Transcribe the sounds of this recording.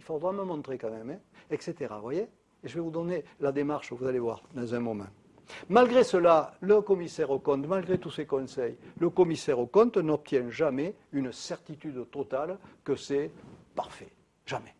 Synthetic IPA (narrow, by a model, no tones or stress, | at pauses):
ilfod̪ʁaməmɔ̃t̪χekɑ̃mɛmɛ̃ɛkset̪eʁa̰vwajeː | ʒəvɛvud̪ɔnelad̪emaʁʃəvuzalevwa̰ʁd̪ɑ̃zɛ̃mɔmɑ̰̃ | malɡʁesəlaləkɔmisɛʁokɔ̃t̪malɡʁet̪usekɔ̃sɛjləkɔmisɛʁokɔ̃nt̪nɔp̚t̪jɛ̃ʒamɛ | ynəsɛʁt̪it̪yd̪t̪ɔt̪alkəsɛpaʁfɛ̥ | ʒ̥amɛ